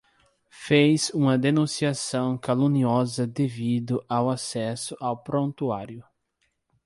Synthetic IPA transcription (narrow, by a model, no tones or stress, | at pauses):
fejzũmɐd̪enũsiasɐ̃w̃kalũniɔzɐd̪evid̪ʊʔawasɛsʊʔawpɾõnt̪ua̰ɾjʊ